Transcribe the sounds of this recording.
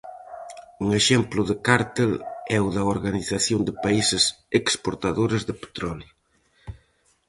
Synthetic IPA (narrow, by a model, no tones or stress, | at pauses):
uŋeʃɛmplʊðɪkaɾt̪elɛwðɐoɾɣaniθaθjond̪ɪpaisɪsekspoɾt̪aðoɾezðɪpe̥t̪ɾɔljʊ